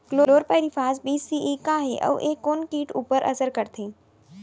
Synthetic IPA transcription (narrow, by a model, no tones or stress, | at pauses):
kloːoːɾpəjɾifaːsbiːsiʔikaɦeʔə̰ʋʔekːoːnkiːʈuːpəɾʔə̰səɾkəɾt̪ʰẽː